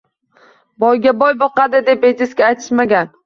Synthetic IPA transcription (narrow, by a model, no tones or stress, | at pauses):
bɒjɡʲabɒjbɒqɑd̪ɪd̪epejt̪ɪskʲaːjt̪ʰɪ̥ʃmaɡʲan